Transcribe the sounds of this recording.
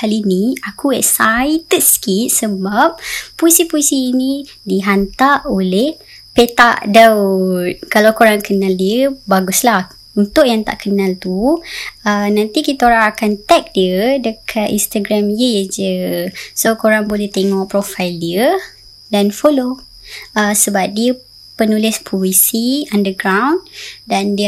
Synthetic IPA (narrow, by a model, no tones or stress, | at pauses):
aliniakuɛʔsajt̪ət̪skit̪̚səbap̚ːoisipoisiːnĩ | diɦant̪aʔolɛh | pet̪aʔda | kalawkoɾaŋkənaldiəbaɡuslah | unt̪ʊʔjaŋt̪a̰ʔkənalt̪u | ənãnt̪ikit̪aoɾaŋakant̪ɛk̚diədəkʰat̪ḭnst̪aɡɾamjəjəd͡ʒəsokoɾaŋbolɛht̪eŋɔʔpɾofajldiə | danfolo | əsəbap̚diə | pənulɪspʰoisiandəɡɾawndandi